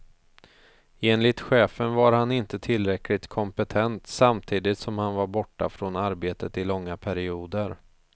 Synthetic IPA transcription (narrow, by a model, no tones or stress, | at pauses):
eːnlɪt̪ɧɛːfənvaɾhanɪnt̪ət̪ʰɪlɾɛklɪt̪kʰɔmpət̪ʰɛnt̪samt̪ʰiːd̪ɪt̪sɔmhanvaɾbɔʈːa̰fɾonaɾbeːt̪ət̪ɪlɔŋːapʰæɾɪuːd̪əɾ